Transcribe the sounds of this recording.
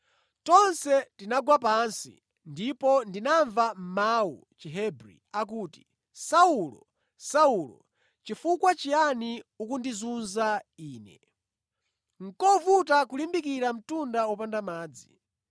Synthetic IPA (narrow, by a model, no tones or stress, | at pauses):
tɔnsɛtinaɡwapansḭ | ndipɔndinaɱvam̩maṵ | t͡ʃɛɦɛbɾḭak̬uːti̥ | saulɔ̰ | saulɔ̰ | t͡ʃifukwat͡ʃijaniukundizunzaiːnɛ̰ | ŋ̩kɔvutakulimbikiɾam̩tundaɔpandamaːd͡zi